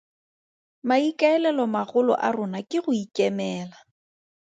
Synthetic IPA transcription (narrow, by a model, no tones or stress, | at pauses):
maikaɛlɛlɔmaɣʊlɔ̰ʔarʊnakʼɪɣʊikʼɛmɛːla